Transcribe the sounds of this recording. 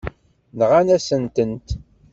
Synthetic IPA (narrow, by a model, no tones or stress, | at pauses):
nʁanæsənt̪ənt̪